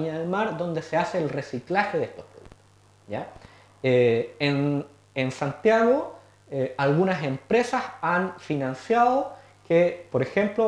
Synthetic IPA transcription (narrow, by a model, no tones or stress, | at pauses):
iɲaðelmaɾðo̞nd̪eseaseːlresiklaxeðeest̪ospɾoðuk̚t̪o̥o | ja | een | ensant̪jaɣo | alɣunase̞mpɾe̞sasanfinansjaðo | kepoɾexe̞mplo